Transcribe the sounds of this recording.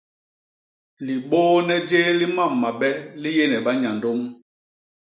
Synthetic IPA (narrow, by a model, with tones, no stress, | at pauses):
li˨ɓoː˦nɛ˦d͡ʒeː˦li˦ma˦˨mːa˨ɓɛ˦li˦jɛ˦˨nɛ˨ɓa˦ɲa˨ndo˦m